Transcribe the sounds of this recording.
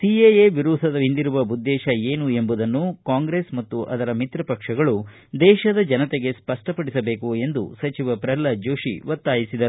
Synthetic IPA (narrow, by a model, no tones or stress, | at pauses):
siejeʋiɾuːsɐd̪ɐind̪iɾuʋɐud̪ːɛːʃɐeːnue̞mbud̪ɐnːukaːŋɡɾeːsmɐt̪ːuʔɐ̰d̪ɐɾɐmit̪ɾɐpɐkʂɐɡɐɭu | d̪ɛːʃɐd̪ɐd͡ʒɐnɐt̪eɡe̞spɐʂʈɐpɐɽisɐbe̞ːkue̞nd̪ṵsɐt͡ʃiʋɐpɾɐlɐd͡ʒoːʃḭʋɐt̪ːaːjisid̪ɐɾ